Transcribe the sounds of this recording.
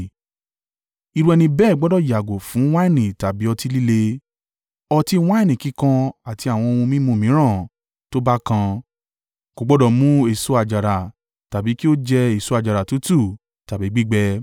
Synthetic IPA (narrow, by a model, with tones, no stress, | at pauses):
i˧ɾũ˧˦ɛ˧nĩ˧bɛː˦˨ɡ͡bɔ˨˦dɔ˦˨ja˨ɡo˨fũ˨˦w̃a˦i˦˨nĩ˨ta˨bi˨˦ɔ˧ti˧li˦le˧ | ɔ˧ti˧w̃ã˦i˦˨nĩ˨ki˨˦kã˧a˨ti˨˧a˨w̃ɔ̃˧o˧wũ˧mĩ˦mũ˧˦˨mĩ˨˦ɾ̃ã˦˨ | to˦ba˦kã˧ | ko˨ɡ͡bɔ˨˦dɔ˨mũ˦e˦˨so˦a˧˨d͡ʒa˨ɾa˨ | ta˨bi˨˦ki˦o˦d͡ʒɛ˧e˨so˨˦a˧˨d͡ʒa˨ɾa˨tu˨˦tu˦˨ | ta˨bi˨˦ɡ͡bi˦ɡ͡bɛ˧